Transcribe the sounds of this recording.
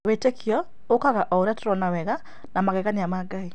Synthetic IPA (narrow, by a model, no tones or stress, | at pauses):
wetekʰjɔ | okaɣaʔɔoɾɛtɔɾɔnawɛɣa | namaɣɛɣaniamaɡai